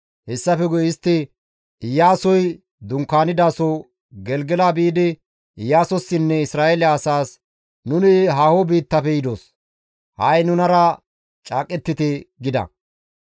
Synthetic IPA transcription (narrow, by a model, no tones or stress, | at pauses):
hɛsːɐfɛɡʊjɪst̪ːɪ | ɪjaːsɔj | d̪ʊŋkːaːnɪd̪aːsɔ | ɡɛlɡɛlaːbiːd̪ɪ | ɪjːaːsɔsːɪnːɛɪsɾaːelɪɐsaːs | nʊnɪɦɐhobiːt̪ːɐfɛjɪd̪oːs | hɐjnʊnɐɾɐ | t͡ʃʼaːkʼːɛt̪ːɪt̪ɪɡɪd̪ɐ̰